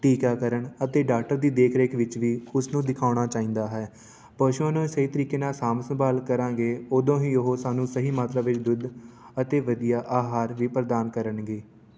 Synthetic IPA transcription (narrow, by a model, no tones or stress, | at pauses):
ʈiːkaːkəɾəɳət̪eːɖaːk̚ʈəɾd̪iːd̪eːkʰɾeːkʰʋɪt͡ʃʋiːʊsnũːd̪ɪkʰaːɽ̃aːt͡ʃaːĩːnd̪aːɦɛː | pəːʃuãːnõːsəɦiːt̪əɾiːkeːnaːsaːmsəmbaːlkəɾãːŋɡeːoːd̪õːɦiːʊɦoːsaːnũːsəɦiːmaːt̪ɾaːʋɪt͡ʃd̪ʊd̪ | ət̪eːʋəd̪ijaːʔaːɦaːɾʋiːpɾəd̪aːnkəɾənɡeː